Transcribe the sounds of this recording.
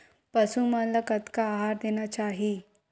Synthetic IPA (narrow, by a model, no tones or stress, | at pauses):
pəsũmanlakət̪kaːɦaɾd̪enjat͡ɕaɦi